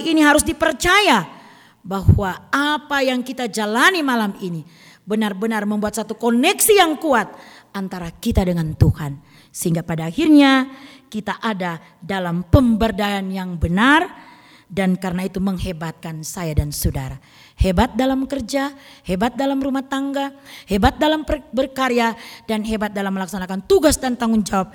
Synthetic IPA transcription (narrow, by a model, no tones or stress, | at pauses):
iniɦaɾusdipərt͡ʃaja | bahwaapajaŋkit̪ad͡ʒalanimalamini | bənarbənarməmbuat̪̚sat̪ukonɛksijaŋkuat̪̚ant̪aɾakit̪adəŋant̪uhan | səhiŋɡapadaːhirɲakit̪aʔada | dalampəmbərdaanjaŋbənar | dankaɾənait̪uməŋhebat̪̚kansajadansodaɾa | hebat̪̚dalamkərd͡ʒahebat̪̚dalamrumaht̪aŋɡahebat̪̚dalampərbərkaɾeadanɦebat̪̚dalamːəlaksanakant̪uɡasdant̪aŋʊnd͡ʒawap̚